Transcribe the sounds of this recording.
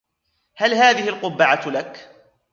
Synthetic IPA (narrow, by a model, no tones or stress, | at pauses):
halɦaːðɪhɪlqʊbːaʕat̪lak